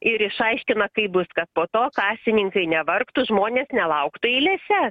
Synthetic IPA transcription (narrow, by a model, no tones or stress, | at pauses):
ɪɾɪʃɐɪʃʲkʲɪnɐkɐɪbʊskɐt̪̚poːt̪oːkɑːsʲɪnʲɪŋkɐɪnʲɛʋɐrkt̪ʊʒmoːnʲeːsnʲɛlˠɐʊkt̪ʊilʲeːsʲɛ